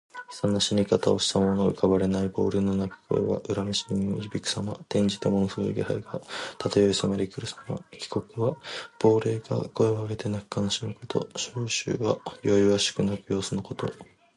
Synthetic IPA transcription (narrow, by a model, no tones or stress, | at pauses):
sãnːaɕimʲikat̪ao̞ɕi̥t̪amo̞no̞ɯkaβaɾe̞naibo̞ːɾe̞ːno̞nakɯ̥ko̞̰ḛβa̰ʔɯ̟ɾamiɕiimiiɾibʲikɯ̥samat̪ẽ̞ɲ̟d͡ʑit̪emo̞nsoɾɯɡʲiha̰iɡat̪at̪ajo̞isamaɾʲikɯ̟ɾɯ̟samakʲi̥ko̞kɯ̟βab̥o̞ːɾe̞ːɡa̰ko̞eβaɡet̪e̞nakɯ̟̥kanɕimɯkot̪ʰo̞̰ɕoːɕɨ̰ːɡajo̞iβaɕɨ̥kɯ̟nakɯ̟jo̞ːsɨno̞ko̞t̪o̞